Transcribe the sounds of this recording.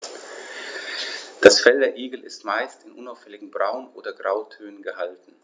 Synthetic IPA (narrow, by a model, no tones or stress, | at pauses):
d̥asfɛldɐɐʔiːɡl̩ɪstmaɪstɪnʔʊnaʊfhɛlɪɡŋ̩bʁaʊnʔo̰ːdɐɡʁaʊtʰøːnənɡəhaltn̩